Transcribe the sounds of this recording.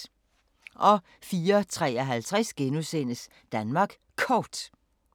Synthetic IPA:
ʔɒ̽ | fiːɐt͡sʰʁɛ̰ːɒɦælt͡sʰʁɛsɡ̥enusen̰əs | d̥ænmɑ̈ɡ̥ | kʰɒd̥

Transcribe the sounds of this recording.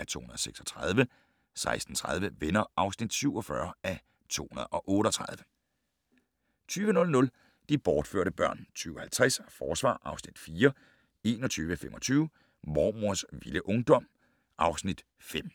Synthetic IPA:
æt͡sʰo̝̰ːhunɐð̩ˠɒseɡ̥sɒ̥t͡sʰʁɑð̞ˠʋə | sɑ̈ɪsd̥n̩t͡sʰʁað̞ˠʋəʋenɐʔɑ̈ʊsnid̥syʊ̰ɒ̽fɶɐæ | t͡sʰo̝̰ːhunɐð̞̩ˠɒ̽ʔɔ̽ːɾəɒ̽t͡sʰʁɑ̈ð̞ˠʋə | t͡sʰyːʋənɔ̽lnɔ̽l | d̥ib̥ɒːd̥fø̰ɐ̰ɾ̥əb̥ɶɐ̰nt͡sʰyːʊhælt͡sʰʁɛsfɒːsʋɑ̰̈ːʔɑ̈ʊsnid̥fiːɐ | e̝ːnɒ̽t͡sʰyːʋəfemʔɒ̽t͡sʰyːʊ | mɒːmoɐ̰sʋiləʔɔ̽ŋd̥ɒ̽m̰ | ʔɑ̈ʊsnid̥ | fem̰

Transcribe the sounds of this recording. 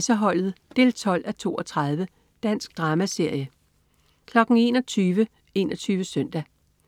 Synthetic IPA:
səɦɒ̽l̰ð̞̩ˠd̥e̝ːlt͡sʰɒ̽l̰æt͡sʰo̝ːɒ̽t͡sʰʁɑð̞ˠʋə | d̥æn̰sɡ̥̚d̥ʁɑ̈ːmæse̝ɐ̰jə | kʰlɒ̽ɡ̥n̩e̝nɒ̽t͡sʰyːʋə | e̝nɒ̽t͡sʰyːʋəsœn̰d̥æ

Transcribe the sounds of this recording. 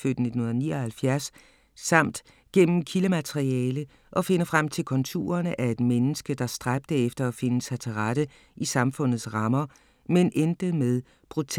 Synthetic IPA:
fød̥ne̝d̥ʰn̩ho̝n̩ðˠnḭːɒhælfjæɐsː | ɑ̈m̰d̥ | ɡ̥en̰m̩kʰiləmæt͡sʰeʁiɛːlə | ʔɒ̽fe̝nəfʁam̰t͡sʰe̝lkʰɒ̽nt͡sʰo̝̰ːɐnəʔæɐe̝d̥menəsɡ̥əd̥ɑ̈sd̥ʁab̥̚d̥əefd̥ɐɒfe̝nəsæt͡sʰəʁɑɾ̥ə | ʔisɑ̈mfɔ̽n̰ð̞̩ˠsʁɑ̈mɐ | menʔend̥əmeðˠ | b̥ʁut͡sʰ

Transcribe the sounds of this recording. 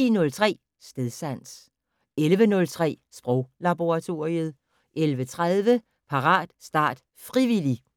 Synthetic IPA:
ḭnɔ̽lt͡sʰʁɛ̰ː | sd̥eðˠsæn̰s | elʋənɔ̽lt͡sʰʁɛ̰ːsb̥ʁɔ̽ʊ̰lɑb̥o̝ʁɑ̈t͡sʰo̝̰ːiəð̞̩ˠ | ʔelʋət͡sʰʁaðˠʋə | pʰɑ̈ʁɑ̰̈ːd̥sd̥ɑ̰̈ːd̥ | fʁiʋili

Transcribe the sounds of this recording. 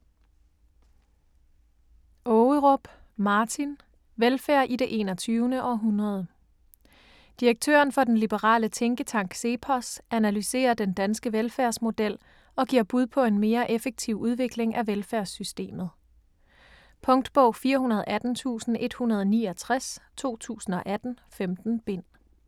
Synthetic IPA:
ʔɔəʁɔ̽b̥ | mɑ̈ːt͡sʰin | ʋelfæɐ̰ʔidɾe̝ʔe̝̰ːnɒ̽t͡sʰyːʊnəʔɒ̽ɦunʁɐð̞ˠə | d̥iʁeɡ̥̚t͡sʰø̰ːɐnfɒ̽d̥enlib̥əʁɑ̰̈ːlət͡sʰeŋɡ̥ət͡sʰɑ̈ŋ̰ɡ̥se̝pʰɒsænælyse̝̰ːɐd̥end̥ænsɡ̥əʋelfæɐsmo̝d̥el̰ | ɒ̽ɡ̥iɐ̰b̥uð̞ˠpʰɒ̽e̝nme̝ːɐʔefeɡ̥̚t͡sʰiʊ̰ʔuð̞ˠʋe̝ɡ̥le̝ŋʔæʋelfæɐsysd̥e̝̰ːmð̞̩ˠ | pʰɔ̽ŋd̥b̥ɔʊ̰fiːɐhunɐð̞̩ˠʔæd̥n̩t͡sʰṵːsn̩ʔe̝d̥hunɐð̞ˠniːɒt͡sʰʁast͡sʰo̝̰ːt͡sʰṵːsn̩ɒ̽ʔæd̥n̩ | femd̥n̩b̥e̝n̰

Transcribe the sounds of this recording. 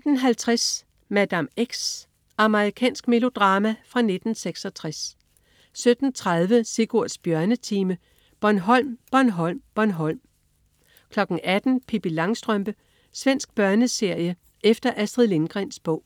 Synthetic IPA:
d̥n̩ɦælt͡sʰʁas | mæd̥æmeɡ̥s | ɑ̈mɐʁikʰɛ̰ːnsɡ̥me̝lo̝d̥ʁɑ̈ːmæfʁɑ̈ne̝d̥n̩seɡ̥sɒ̽t͡sʰʁas | sød̥n̩t͡sʰʁað̞ˠʋəse̝ɡ̥o̝ɐ̰sb̥jɶɐnət͡sʰiːmə | b̥ɒɐnɦɒ̽l̰mb̥ɒɐnɦɒ̽l̰mb̥ɒɐnɦɒ̽l̰m | kʰlɒ̽ɡ̥n̩ʔæd̥n̩pʰib̥ilɑ̈ŋsd̥ʁœmb̥ə | sʋen̰sɡ̥b̥ɶɐnəse̝ɐ̰jə | ʔefd̥ɐʔæsd̥ʁiðˠle̝ŋɡ̥ʁɛnsb̥ɔ̽ʊ̰

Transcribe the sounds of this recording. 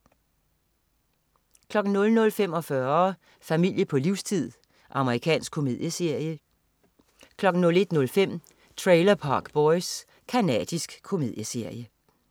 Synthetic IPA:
kʰlɒ̽ɡ̥n̩nɔ̽lnɔ̽lfem̰ɒ̽fɶɐ | fæmil̰jəpʰɒ̽liʊ̰st͡sʰið̰ˠ | ʔɑ̈məʁikʰɛ̰ːnsɡ̥kʰo̝me̝ð̞̰ˠjəeɐ̰jə | kʰlɒ̽ɡ̥n̩nːɔ̽le̝d̥nɔ̽lfem̰ | t͡sʰʁeɪlɐpʰɑ̈ːɡ̥b̥ɒɪs | kʰænɛ̰ːd̥isɡ̥kʰːo̝me̝ð̰ˠjəse̝ɐ̰jə

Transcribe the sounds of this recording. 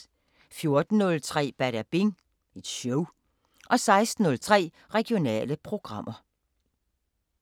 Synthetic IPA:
fjo̝ɐd̥n̩ːɔ̽lt͡sʰʁɛ̰ːb̥æɾæb̥eŋ | ed̥ɕɔʊ | ʔɒ̽sɑ̈ɪsd̥n̩ːɔ̽lt͡sʰʁɛ̰ː | ʁɛɡ̥io̝nɛ̰ːləpʰʁo̝ɡ̥ʁɑ̈m̰ʔɐ

